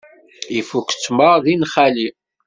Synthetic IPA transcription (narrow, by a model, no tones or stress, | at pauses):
ifukt͡sːməʁðinχæli